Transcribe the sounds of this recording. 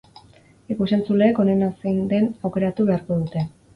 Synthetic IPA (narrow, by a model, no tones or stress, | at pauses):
ikuse̞nt͡sule̞ːko̞ne̞nasejnd̪e̞nawke̞ɾat̪uβ̞e̞aɾko̞ð̞ut̪e̞